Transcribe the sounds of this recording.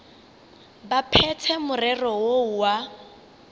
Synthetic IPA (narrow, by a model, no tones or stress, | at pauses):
bapʰɛt͡sʰɛmʊrɛrɔwouwa